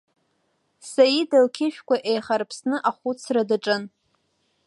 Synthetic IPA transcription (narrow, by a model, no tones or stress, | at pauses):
sajidalkʲʰɪʃᶣkʷaʔejχarpʰsnɨʔaχʷut͡sʰradaʈ͡ʂʼɨn